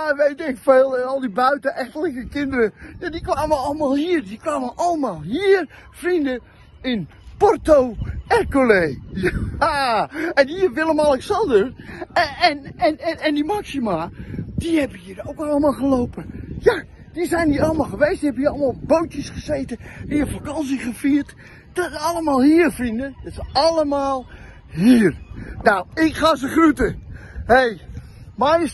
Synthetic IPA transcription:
jaʋejtɛkfeːlˠɛnɔlˠdibœɥtəʔɛxtələkəkɪndəɾəjadikʋaːməɑləmalˠhiərdikʋaːməʔɑləmaːlˠɦiər | frində | ɪn | pɔrtoːɛrkolejjaɛniərʋɪlˠəmalˠɛksɔndər | ɛnɛnɛnɛndimaksimad̥ihɛbəhiːərowkɑlˠəmaːlˠχəlowpəja | dizɛjndiɑlˠəmalˠχəʋejstihɛbəjəɑlˠmalˠboːtjəsχəzejtəɛnjəfakɑns̬iχəfiːərt | d̥ɔtəɑlˠəmaːlˠhiərfrindədɔtsəɑləmaːlˠ | hiːərnawɪkχaːzəχrutəhej | maj

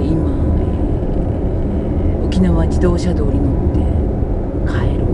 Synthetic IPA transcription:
imae | okʲinaβad͡ʑid̪o̞ːɕad̪o̞ːɾʲinot̪ːe̞ | kʰaeɾɯ

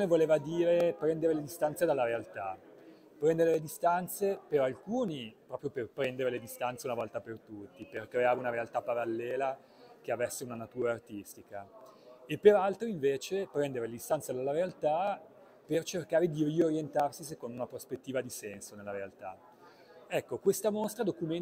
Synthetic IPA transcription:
nevoleːvad̪iːɾepɾɛnd̪eɾeled̪ist̪ant̪sed̪alːaɾealt̪a | pɾɛnd̪eɾeled̪ist̪ant̪sepeɾalkuːnipɾɔpɾjoperpɾɛnd̪eɾeled̪ist̪ant̪seunavɔlt̪apert̪ut̪ːiperkɾeaːɾeunaɾealt̪apaɾalːɛːla | k̟eavɛsːeunanat̪uːɾaːrt̪ist̪ika | epːeɾalt̪ɾoiɱveːt͡ʃepɾɛnd̪eɾeled̪ist̪ant̪sed̪alːaɾealt̪a | pert͡ʃerkaːɾed̪irioɾjent̪arsisekond̪ounapɾospet̪ːiːvad̪isɛnsonelːaɾealt̪a̰ | ɛkːokwest̪amost̪ɾad̪okumen

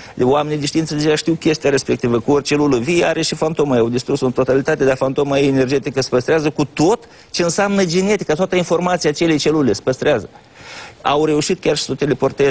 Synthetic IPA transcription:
wame̞nijd̪ʲiʃt̪iinsəd̪eeaʃt̪iwkʲe̞st̪iaɾe̞spe̞k̚t̪ivəkuorʲt͡ʃe̞luləvijeaɾe̞ʃifant̪o̞majawd̪ist̪ɾusont̪o̞t̪alit̪at̪e̞d̪afant̪o̞maeene̞rd͡ʒe̞t̪ikəspəst̪ɾeazəkut̪o̞t̪ | t͡ʃeɨnsamnəd͡ʒine̞t̪i̥kat̪oat̪əinfo̞rmat̪siat͡ʃe̞let͡ʃe̞lulespəst̪ɾeazə | awre̞uʃit̪kʲarʃi̥sot̪elepo̞rt̪e

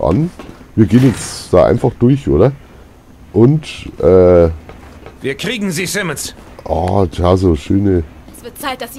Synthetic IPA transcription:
ʔa̰nviːɐɡeːnjɛt͡sd̥aːʔa̰ɪnfaχd̥ʊɐçʔoːɾɐ | ʔʊntʔɛː | viːɐkʁ̥iːɡŋ̩ziːsɪmənsʔɑːtʰjaːzoːʃøːnə

